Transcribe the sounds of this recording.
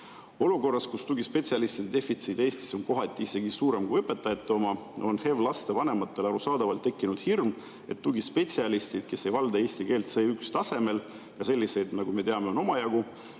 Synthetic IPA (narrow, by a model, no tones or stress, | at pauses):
o̞luko̞rːɑskust̪uɡispe̞tʲsiɑlist̪id̪ed̪̥e̞fit̪sid̪̥e̞ːst̪i̥so̞nko̞ɦɑt̪ʲˑːiise̞ɡisuːɾe̞mkujɤpːˑe̞t̪ːˑɑjɑt̪ːˑeo̞mɑo̞nhe̞vlɑst̪e̞vɑne̞mɑt̪ːˑe̞lɑɾusɑːd̪̥ɑvɑlt̪ːe̞kːinud̪̥hirm | e̞t̪ːuɡispe̞t̪ʲsiɑlist̪id̪̥ke̞sːe̞jvɑld̪ɑe̞ːsʲt̪ike̞ːlt̪se̞ːykst̪ɑse̞me̞l | jɑse̞lʲːise̞jd̪nɑɡ̥ume̞t̪eɑme̞o̞no̞mɑjɑɡ̥u